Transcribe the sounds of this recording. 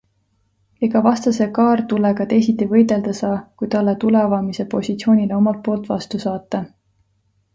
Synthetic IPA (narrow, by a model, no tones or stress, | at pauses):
e̞ɡ̥ɑvɑst̪ɑsekɑːrt̪ule̞kɑt̪ejs̬it̪ːivɤ̞jd̪e̞ld̪̥ɑsɑːkujt̪ɑlːet̪ule̞vɑmise̞po̞sit̪sio̞ːnʲileo̞mɑlt̪̚po̞ːlt̪ːˑvɑ̰st̪usɑːt̪ːˑɑ